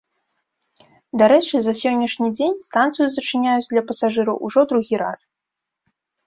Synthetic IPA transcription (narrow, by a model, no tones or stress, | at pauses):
d̪aɾɛt͡ʂɨzɐsʲɔnʲːɐʂnʲid͡zʲenʲst̪ant̪sɨjuzɐt͡ʂɨnʲajut͡sʲd̪lʲɐpɐsaʐɨɾɐwʔuʐɔd̪ɾuɣʲiɾa̰s